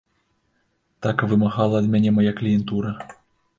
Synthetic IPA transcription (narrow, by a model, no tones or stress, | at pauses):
t̪akvɨmaɣalˠɐːd̪mʲanʲɛmajaklʲijɛnt̪uɾɐ